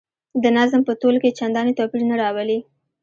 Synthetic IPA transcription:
d̪ənazmpət̪olket͡ʃand̪ɑnet̪ɑpiɾnaɾɑwəli

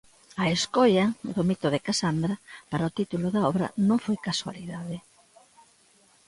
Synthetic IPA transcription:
ɐeskɔjɐðomit̪oðɪkasand̪ɾɐpaɾaot̪it̪uloðaɔβɾɐ̰nõŋfojkaswa̰liðaðɪ

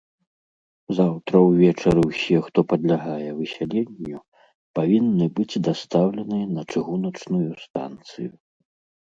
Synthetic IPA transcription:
zawt̪ɾɐwvʲɛt͡ʂɐɾɨwsʲɛxt̪ɔpɐd̪lʲaɣajɛvɨsʲalʲenʲːu | pavʲinːɨbɨd͡zʲd̪ast̪awlʲɛnɨjɛnɐt͡ʂɨɣunɐt͡ʂnujust̪a̰nt̪sɨ̰ju

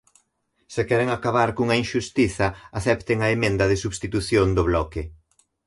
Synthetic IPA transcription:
sɪkɛɾɪŋakaβ̞aɾkuŋɐinʃust̪iθɐaθɛpt̪ɪŋɐemẽnd̪ɐðɪsuβst̪it̪uθjond̪ʊβlɔkɪ

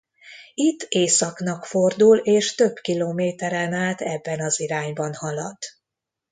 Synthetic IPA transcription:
it̪ːeːsɒkn̪ɒkfo̞rd̪uleːʃt̪ø̞bkiloːmeːt̪ɛɾɛnaːlt̪ɛbːɛnɒziɾaːɲbɒnhɒlɒd̪̥

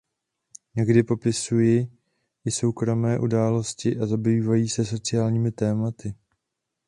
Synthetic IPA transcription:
ɲɛɡdɪpo̞pɪsujɪ | ʔɪso̞wkɾo̞mɛːʔudaːlo̞scɪʔazabiːvajiːsɛso̞t͡sɪaːlɲiːmɪt̪ɛːmat̪ɪ

